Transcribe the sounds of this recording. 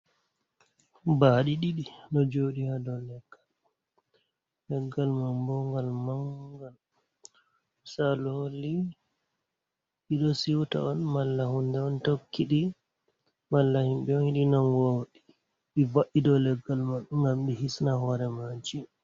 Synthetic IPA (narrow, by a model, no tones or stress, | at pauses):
baɗiɗiɗinɔd͡ʒoɗihadɔlɛɡ̥ːal | lɛɡːalmambɔŋɡalmaŋɡal | salholːi | ɓiɗɔsiwta̰ɔnmalːahundɛɔntokʰːiɗi | malːahimbɛɔnhiɗinaŋɡoɗi | ɓivaʔidɔlɛɡːalmaɗuŋɡamɗihisnahɔɾɛmad͡ʒi